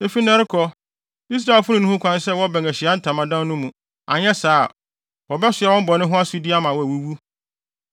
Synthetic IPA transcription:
e˨fi˦nɛ̃˦ɾɪ˦kʰɔ˦ | i˦s̬ɾa˨ɛ˨lfʊ˦nʊ̃˨nũ˦ũ˦kʷʰã˦n˦sɛ˦wɔ˦bɛ̃˨ŋæ˨ɕɪ˨a˦n̩˦tʰã˨mã˨dã˦nnʊ̃˦mũ˨ | a̰˨ɲɛ˦saː˦˨ | wɔ˨bɛ˦sɪ˨a˨wɔ̃˦m˦bɔ˨nɪ̃˦ɦʊ̃˦a˦su˦di˦a˦mã˨wɔ˦æ˨wu˦wu˦

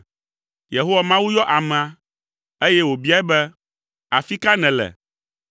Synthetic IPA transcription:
je˨ɦo˦wa˨mã˦wu˦jɔ˦ʔa˨mɛ̃˨a˨ | e˦jɛ˦wo˨bi˦a˦ɛ˦bɛ˦ | a˨fi˦ka˦nɛ̃˨lɛ̰˨

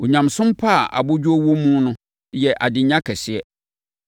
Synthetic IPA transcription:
o˨ɲã˨msʊ̃˦mpʰa˦˨ʔa̰˨bʊ˦d͡ʑᶣu˦o˦wo˦mũ˦nʊ̃˦ | jɛ˨ʔa˨dɪ̃˨ɲã˦kʰɛ˨sɪ˨ɛ˦

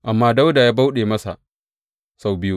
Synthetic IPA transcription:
ʔa˨mːaː˦da˦wda˨jaː˦ba˦wɗeː˨mɐ˦sa̰˨ | sa˨wbɪ˦u˦

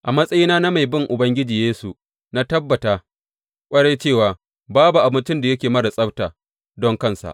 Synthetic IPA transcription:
ʔa˨mɐ˦sʼɐ˦jiː˦naː˦na˦ma˨jbɪ˦˨ŋʔʊ˨bɐ˦ŋɡʲɪ˦d͡ʒiː˨jeː˦su˨ | na˦tɐ˦bːɐ˨taː˦ | kʷʼɐ˦ɽeː˦t͡ʃeː˦˨waː˨ | baː˦bu˨ʔa˨bɪ˦t͡ʃɪ˦nda˨jɐ˦kʲeː˨mɐ˦ɽa˨sʼɐ˦btaː˨ | dɔ˦ŋkɐ˦˨nsa̰˨ʔ

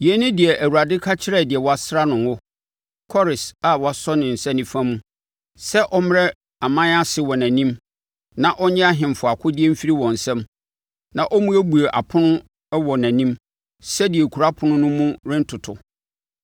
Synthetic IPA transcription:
jɛ˨˦nɪ̃˦dɪ˨ɛ˨ʔæ˨wu˨a˨dɪ˦kʰa˦t͡ɕʰɪ˦ɾɛ˦˨dɪ˨ɛ˨wɔ˨˦a˨sɾa˦nʊ̃˨ŋʊ˦ | kʰɔ˦ɾɪ˨sa˨wɔ˨˦a˨sɔ˦nɪ̃˨n̩˨sɛ̃˦nĩ˦fã˦mũ˦ | sɛ˦ʔɔ˦m˦ɾɛ˦ | a˨mã˦a˦sɪ˨wɔ˨næ̃˨nĩ˦m | nã˨ʔɔ˦ɲɛ̃˦a˦ɦɪ̃˨m˨fʊ˨a˨kʰʊ˦dɪ˦ɛ˦m̩˦fi˦ɾi˦wɔ̃˨n̩˨sɛ̃˦m | nã˨ʔɔ˦mũ˦æ˦bu˨e˨ʔa˨pʰʊ˦nʊ̃˦ | wɔ˨næ̃˨nĩ˦m | sɛ˦dɪ˨ɛ˨kʰu˨ɾa˦pʰʊ̃˨˦nʊ̃˦nʊ̃˦mũ˦ɾɪ̃˦n̩˦tʰʊ˨tʰʊ˨

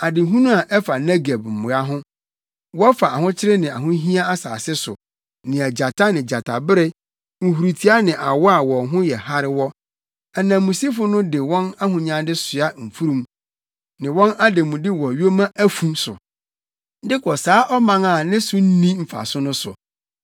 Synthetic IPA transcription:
a˨dɪ˨ɦũ˦nʊ̃˦a˨ʔɛ˦fa˨nɛ˦ɡe˨bm̩˨mʊ̃˨a˦ɦʊ̃˦ | wɔ˦fa˨a˨hʊ̃˦t͡ɕʰɪ˦ɾɪ˦nɪ̃˨a̰˨ɦʊ̃˦ɦĩ˦a˦a˦sa̰ː˨sɪ˦sʊ̰˨ | nɪ̃˨æ˨d͡ʑa˨tʰa˦nɪ̃˨d͡ʑa˨tʰa˨bɪ˦ɾɪ˦ | ŋ̩˨hu˨ɾu˨tʰi˦a˦nɪ̃˨ʔa˨wɔ˦a˨wɔ˨ɦʊ̃˦jɛ˨ha˦ɾɪ˦wɔ˦ | ɛ˨nã˨mũ˨si˦fʊ˦nʊ̃˦dɪ˨wɔ̃˦na˦ɦʊ̃˨ɲã˦dɪ˦sʊ˨a˦m̩˨fu˦ɾũ˨m | nɪ̃˨wɔ̃˦na˦de˨mũ˨dɪ˦wɔ˨ɥo˦mã˦ʔæ˦fũ˦msʊ˨˦ | dɪ˦kʰɔ˨saː˦ʔɔ˦mã˦ŋa˨nɪ̃˦sʊ˦n̩˦nĩ˦m̩˨fa̰˨sʊ˦nʊ̃˦sʊ̰˨

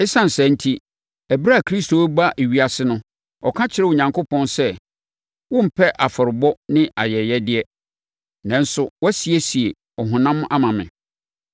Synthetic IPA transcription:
ɛ˦sã˦n̩˨sɛ̃˨˦n̩˦tʰi˦ | æ˨bi˦ɾa˦˨kʰɾi˦stʰo˨æ˦ba˦ʔe˨ɥi˦a˨sɪ˦nʊ̃˦ | ɔ˨kʰã˦t͡ɕʰɪ˨ɾɛ˦wo˨ɲã˨ŋko˦pʰɔ̃˦nsɛ˦ | wʊ̃˦m̩˨pʰɛ˦ʔa˨fɔ˨ɾɪ˨bɔ˦nɪ̃˦ʔa˨jɛ˨jɛ˦dɪ˦ɛ˦ | nã˨n̩˦sʊ˦wɛ˦si˨e˦si˨e˨ | ɔ˨ɦʊ̃˨nã˦m˦ʔa˦mã˨mɪ̰̃˨

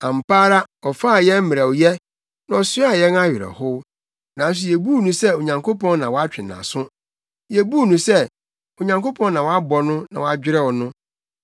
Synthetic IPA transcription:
ã˨m̩˨paː˦ɾa˦ɔ˨fa˦˨jɛ̃˦m̩˦mɪ̃˨ɾa˨wjɛ˦ | nã˨ɔ˨sɪ˦a˦˨jɛ˦na˦ɥɪ˨ɛ̰˨hʊ˦ | nã˨˦n˦s̬ʊ˨jɛ˨bu˦˨nũ˨sɛ˦o˨ɲã˨ŋkʰo˦pʰɔ̃˦nnã˨wɔ˨˦a˦t͡ɕᶣɪ˨nã̰˨sʊ̃˦ | jɛ˨bu˦˨nũ˨sɛ˦ | o˨ɲã˨ŋko˦pʰɔ̃˦nnã˨wɔ˨˦a˦bɔ˨nʊ̃˦nã˨wɔ˨a˨d͡ʑᶣɪ˦ɾɛ˦wɔ˨nʊ̃˦

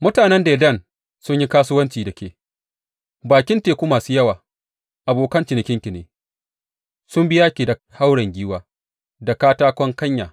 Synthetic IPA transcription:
mʊ˦taː˨nɛ˦nda˨˦dɐ˦˨n | sʊ˦ɲji˦kaː˦sʊ˦wɐ˦nt͡ʃiː˨dɐ˨kʲeː˨ | baː˨kʲɪ˦nteː˨kʷuː˦maː˨suː˦jɐ˦waː˨ | ʔa˨boː˨kɐ˦nt͡ʃɪ˨nɪ˨kʲɪ˦ŋkʲɪ˨neː˨ | sʊ˦mbɪ˦jaː˦kʲi˨dɐ˨ | ha˦wɽɐ˨ŋɡʲiː˦waː˦ | da˨kaː˦taː˦kʷɔ˦ŋkɐ˦ɲja̰ː˨

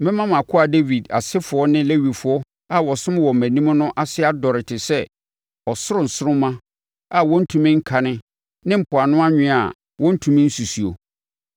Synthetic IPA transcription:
mɪ̃˦mã˦mã˨kʰʊ˦a˨de˦vi˨da̰˨sɪ˦fʊ˨˦ɔ˦nɪ̃˦le˦wi˨fʊ˨˦ɔ˦ | a˨wɔ˨sʊ̃˦m˦wɔ˨mæ̃˨nĩ˦m˦nʊ̃˦ʔa˦sɪ˦a˦dɔ˨ɾɪ˨tʰɪ˨sɛ˦ | ɔ˨sʊ˦ɾʊ̃˨n̩˨sʊ˦ɾʊ̃˦mã˦ | a˨wɔ̃˦n̩˦tʰũ˨mɪ̃˦ŋ̩˦kʰa˨nɪ̃˦ | nɪ̃˦m̩˨pʰʊ˨a˨nʊ̃˦a˦ɲᶣɪ̃˦˨a̰˨ | wɔ̃˦n̩˦tʰũ˨mɪ̃˦n̩˦su˨si˨o̰˨

